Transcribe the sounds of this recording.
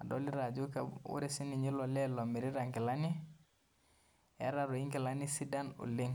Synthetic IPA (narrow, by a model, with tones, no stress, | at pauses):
a˨do̰˦li˦ɾa˨d͡ʒu˦kewṵ˦ɾe˦si˦ni˨ɲi˦lɔ˨lɛ˦lo˨mi˨ɾi˦ɾa˨ŋki˨la˦ni˦ | ɛ̰˦ɾa˨ɾo˨i˦ŋki˨la˦ni˦si˦da˦nṵ˨li˦ŋ